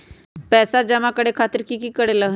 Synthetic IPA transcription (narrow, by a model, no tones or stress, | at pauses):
pɛːsad͡ʒəmãkəɽekʰaːt̪əɾkikiːkəɽeləɦ